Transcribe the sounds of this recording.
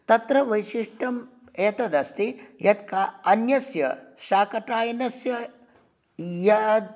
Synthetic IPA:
t̪ɐt̪ɾɐʋɐjʃiʂʈɐm | eːt̪ɐd̪ɐst̪ijɐt̪kʰaːɐnjɐsjɐ̰ʃaːkɐʈaːjɐnɐsjɐ | jɐd̪̚

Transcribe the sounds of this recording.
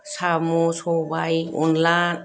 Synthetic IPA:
samosɔbajɔ̰nlan

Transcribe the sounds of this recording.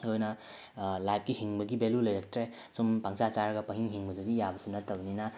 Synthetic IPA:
kojna | lajp̚kihiŋbɐɡibelulɐjɾek̚tɾe | sumpaŋsat͡ʃaɾɡɐpɐɦiŋɦiŋbɐdudijabɐsunatɐbnina

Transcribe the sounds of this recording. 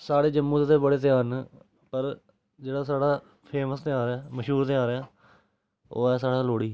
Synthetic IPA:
saːɽeːd͡ʒəmːũːt̪et̪eːbəɽeːt̪ɪjaːn | pəɾ | d͡ʒeːɽaːsaːɽaː | pʰeːməst̪ɪaːɾɛːməʃɦuːɾt̪ɪãːɾeaː | o̰ːɛːsaːɽaːloːɽiː

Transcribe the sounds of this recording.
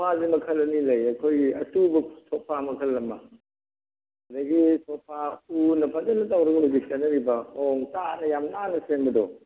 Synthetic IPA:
pʰazimɐkʰɐlɐnilɐjɐkʰojɡiɐtubɐtʰɔpʰːamɐkʰɐlːɐmːɐ̰ | ɐdɐɡisʰɔpʰaunɐpʰazɐlnɐtawɾɐɡɐuɡikɐnɐɾibɐɔŋtanɐjamnanɐsenbɐdɔ

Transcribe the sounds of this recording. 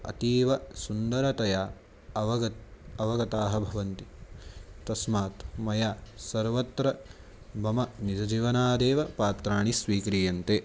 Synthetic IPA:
ɐ̰t̪iːʋɐsund̪ɐɾɐt̪ɐjaː | ʋɐɡɐt̪ɐʋɐɡɐt̪aːɦɐbʱɐʋɐnt̪i | t̪ɐsmaːt̪mɐjaːsɐɾʋɐt̪ɾɐ | bɐmɐnid̪ɐd͡ʒiʋɐnaːd̪eːʋɐpaːt̪ɾaːɳisʋiːkɾiːjɐnt̪eː

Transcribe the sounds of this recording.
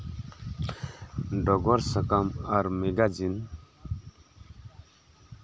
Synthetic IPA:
ɖɔɡɔɾsəkəmʌɾmeɡad͡zin

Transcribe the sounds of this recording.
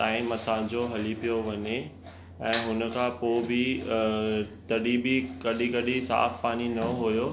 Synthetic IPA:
t̪aːɪ̃mɐsãd͡ʑoːɦɐlipijoʋɐɲe | ɛ̃ːɦʊnə̆kʰãpoːbɪ | t̪ɐɗibɪkɐɗikɐɗisa̰ːfpaːninɐɦujoː

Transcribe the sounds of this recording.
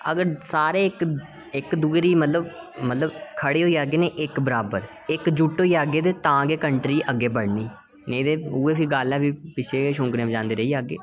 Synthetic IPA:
ə̰ɡəɾsaːɾeːɪk | ɪkd̪uːɾiːmət̪ləbmət̪ləbkʰəɽeːɦoːiːaːɡeːneːʔɪkbəɾaːbəɾ | ɪkd͡ʒuʈːoːiːaːɡeːt̪eːt̪ãːɡeːkəɳʈɾiːʔəɡːeːbəɽniː | nẽːd̪eːuːeːpʰiːɡaːlɛːpiːpɪt͡ʃʰeːeʃ̬ʊ̃ːkɾẽãːmd͡ʒãːnd̪eːɾəiːaːɡḛː

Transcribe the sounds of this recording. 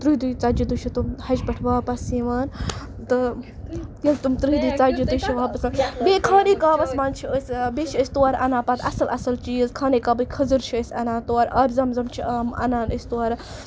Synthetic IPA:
t̪ɾɨɦd̪ujt͡saːd͡ʒid̪uʃʰit̪umhɐd͡ʒbɐʈʰʋaːpɐsiːʋaːn | t̪ɨ | jɐlt̪umt̪ɾɨɦid̪ɨːt͡saːd͡ʒit̪ɨʃt͡ʃʰiʋaːbɐsmɐbeːkʰaːniːkaːʋɐsmaːnt͡ʃʰiəsʲbet͡ʃʰiəsʲt̪uaːɾʔɐnaːpat̪ʰɐsɐlɐsɐlt͡ʃiːzkʰaːniːkaːbɨkʰɐzɨɾt͡ʃʰiəsʲɐnaːt̪oaɾɐːbʲzɐmzɐmt͡ʃʰiɐmɐ̰naːnəsʲt̪uaːɾɐ

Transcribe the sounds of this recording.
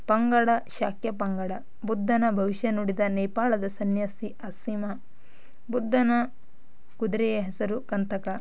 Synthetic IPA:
pɐŋɡɐɽɐʃaːkjɐpɐŋɡɐɽɐ | bud̪ʱːɐnɐbʱɐʋiʃjɐnuɽid̪ɐnɛjpaːɭɐd̪ɐsɐnjɐsiʔɐsimɐ | bud̪ʱːɐnɐ | kud̪ɾɛjɐɦɛsɐɾukɐnt̪ɐkɐ

